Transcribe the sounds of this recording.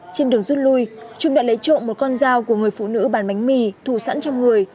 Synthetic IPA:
t͡ɕe˧nɗɨ˨˩əŋzu˦˥t̚lu˧jt͡ɕʊ˧ŋ͡mɗa̰ː˧˥lə˨˦jt͡ɕo̰˧˨nmo˨˩t̚kɔ˧nzaː˧wku˧˩əŋɨ˨˩əjfṵ˧˨nɨ̰˧˥ɓaː˧˩nma˨˦jŋ̟mi˧˩t̪ʰu˧˩sa̰˧˥nt͡ɕɔ˧ŋ͡mŋɨ˨˩əj

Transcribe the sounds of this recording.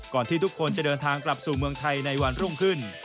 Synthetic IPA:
kɔː˨˩nt̪ʰiː˥˩t̪ʰu˥kʰo˧nt͡ɕa˨˩dɤː˧nt̪ʰaː˧ŋkla˨˩p̚suː˨˩mɯ˧əŋt̪ʰa˧jna˧jwa˧nɾu˥˩mkʰɯ˥˩n

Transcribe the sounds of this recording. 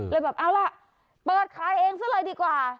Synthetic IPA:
lɤː˧jbɛː˨˩p̚ʔaː˧wla˧˩ʔ | pɤː˨˩t̪̚kʰaː˨˩jʔeː˧ŋsaː˦˥˨lɤː˧jdiː˧kwaː˨˩

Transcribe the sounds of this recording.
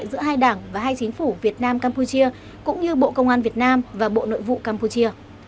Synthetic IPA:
jzɨ̰˧˥əɦaː˧jɗaː˧˩ŋvaː˨˩ɦaː˧jt͡ɕï˨˦ŋ̟fu˧˩vi˨˩ət̚naː˧mkaː˧mpu˧t͡ɕi˧ə | kʊ̰˧˥ŋ͡mɲɨ˧ɓo̰˧˨kə˧wŋ͡mʔaː˧nvi˨˩ət̚naː˧mvaː˨˩ɓo̰˧˨no̰˧˨jvṵ˧˨kaː˧mpu˧t͡ɕi˧ə

